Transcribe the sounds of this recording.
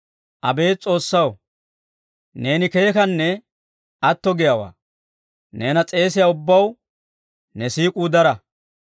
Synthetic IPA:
ʔɐbe̞ːt͡sʼo̞ːsːɐw | ne̞ːnɪke̞ːkɐnːɛ | ʔɐt̪ːɔɡɪjɐwa̰ː | ne̞ːnɐt͡sʼe̞ːs̬ɪjaʊbːɐw | nɛsiːkʼuːd̪ɐɾɐ

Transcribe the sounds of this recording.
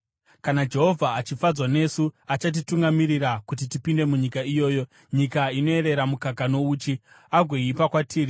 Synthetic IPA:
kanad͡ʒe̞ɦo̞vʱaːt͡ʃifad͡zwane̞suat͡ʃat̬ituŋɡamiɾiɾakut̬itipinde̞muɲikaijo̞ːjo̞ | ɲikaino̞e̞ɾe̞ɾamukakano̞uːt͡ʃi | aɡʱweipakwatʰiːri

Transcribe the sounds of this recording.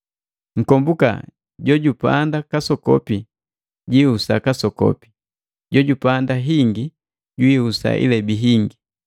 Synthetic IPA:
ŋ̩kɔmbuka̰ | ɟɔɟupa̰ndakasɔkɔ̰pi | ɟwiusakasɔkɔ̰pi̥ | ɟɔɟupandaɦiŋɡi | ɟwiusa̰ʔḭlɛbiɦiŋɡi

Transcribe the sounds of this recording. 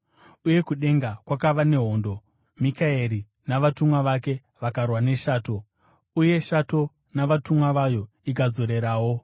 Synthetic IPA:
uje̞kuɗe̞ŋɡakwakaʋane̞ɦo̞ːndo̞ | mikaeɾi | naʋatumwaʋake̞ | ʋakarwane̞ʃaːto̞ | uje̞ʃato̞ | naʋatumwaʋajo̞ | ik̬ad͡zo̞ɾe̞ɾaːwo̞

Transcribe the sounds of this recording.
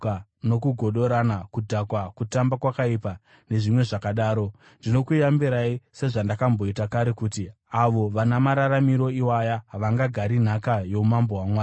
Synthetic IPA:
no̞kuɡʱo̞ɗo̞ɾanakudʱakwakutambakwakaipa | ne̞ʐimwe̞ʐakaɗaːɾo̞ | ndino̞kujambiɾaise̞ʐandakambo̞itakaɾe̞kuːti | aʋo̞ʋanamaɾaɾamiɾo̞iwajaɦaʋaŋɡaɡʱaɾin̤akajo̞umambo̞ɦwamwaː

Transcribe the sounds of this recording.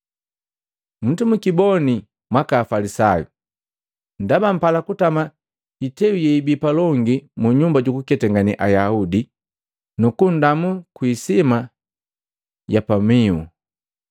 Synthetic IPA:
m̩tumukibɔni | mwakaːfalisajṵ | ndabam̩palakutama | itɛujɛibipalɔŋɡimuɲumbaɟukukɛtɛŋɡanḭʔajaudi | nukundamukwiːsima | japamiṵ

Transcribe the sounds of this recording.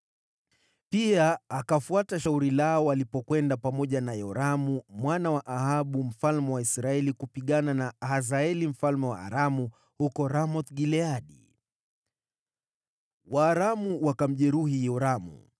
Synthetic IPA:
piaːkafuataʃauɾilaɔwalipɔkwɛndapamɔʄanajɔɾamumwanawaʔahaɓum̩falmɛwaisɾaɛlikupiɠananahazaɛlim̩falmɛwa̰a̰ɾamu | hukɔɾamɔt̪ɡilɛaɗḭ | waːɾamuwakam̩ʄɛɾuhijɔɾamṵ

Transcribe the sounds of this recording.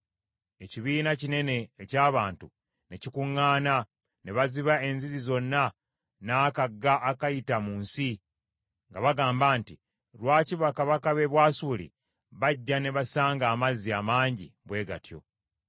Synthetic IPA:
e̞ciβiːnacine̞ne̞ːcaːβaːntu | necikuŋːaːna | ne̞βaziβae̞nzizizo̞nːa | naːkaɡːaʔːkajitamuːnsi | ŋɡaβaɡaːmbaːnti | lwaːciβakaβakaβe̞βwaːsuːlḭ | βaɟːane̞βasaːŋɡaːmaziamaːɲɟḭβwe̞ːɡa̰tjo̞̰

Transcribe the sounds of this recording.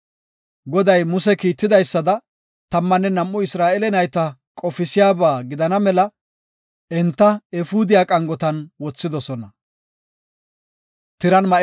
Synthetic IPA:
ɡɔd̪ɐjmʊsɛkiːt̪ːɪd̪ɐjsːɐd̪ɐ | t̪ɐmːɐnːɛnɐmʔːʊɪsɾaːʔɛlɛnɐjt̪ɐkʼɔfɪsɪjaːbaːɡɪd̪ɐnɐmɛlɐ | ɛnt̪ːɐɛfuːd̪ɪjaːkʼɐŋɡɔt̪ɐnwɔt͡sːɪd̪ɔsɔnɐ | t̪ɪɾɐnmɐ

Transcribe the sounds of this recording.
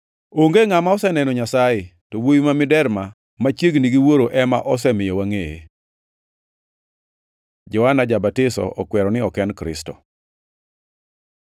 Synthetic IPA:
oŋɡeŋamaɔsɛnɛnɔɲasajɪtɔwojimamɪdɛɾma | mat͡ʃjeɡniɡiwoɾoʔɛmaʔɔsɛmɪjɔwaŋeḛ | d͡ʒɔwanad͡ʒabatɪsɔ̰ʔɔkwɛɾɔnɪɔkɛnkɾɪ̰stɔ̰

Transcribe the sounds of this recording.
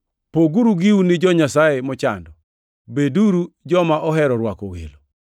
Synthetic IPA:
poɡuɾuɡiwunɪd͡ʒɔɲasajemɔt͡ʃa̰ndɔ | beduɾud͡ʒɔmaʔɔɦɛɾɔɾwakɔwḛlo

